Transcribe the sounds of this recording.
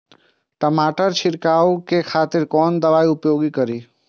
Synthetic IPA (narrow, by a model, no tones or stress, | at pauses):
ʈəmaːʈəɾt͡ʃʰɪɾkaːwkekʰaːt̪ɪɾkɔːnd̪ɐʋaːiʊpjoːɡikəɾiː